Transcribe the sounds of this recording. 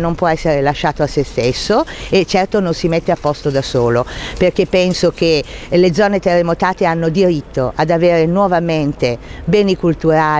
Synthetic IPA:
nompwɔɛsːeɾelaʃːaːt̪oasːest̪esːoet͡ʃːɛrt̪ononsimet̪ːeapːɔst̪od̪asoːloperkepːɛnsok̟eled̪zːɔːnet̪erːemot̪aːt̪eanːod̪iɾit̪ːoʔad̪aveːɾenwɔvament̪ebɛːnikult̪uɾaː

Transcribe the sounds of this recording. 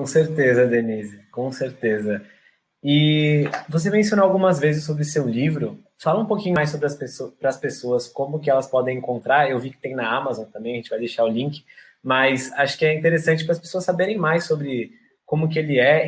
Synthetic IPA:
kõseɾt̪ezɐd̪enizkõseɾt̪ezɐ | ɪ | vos̬emẽs̬ionoawɡũmɐzvezɪsːobɾɪʊsewlivɾʊ | falɐũpokĩɲʊjsːobɾɪɐspesopɾɐːspesoɐskõmʊkɪɛlɐspɔd̪ẽj̃ẽŋkõnt̪ɾaɾewvikɪt̪ẽj̃nɐamazõt̪ɐ̃mbẽj̃ɐẽnt͡ʃɪvajd̪ejʃaɾʊlĩŋkɪ̥ | mɐsaʃʊ̥kɪɛĩt̪eɾesɐ̃nt͡ʃɪpɾɐspe̥soɐsːabeɾẽj̃majsobɾɪ | kõmʊkɪelɪɛ

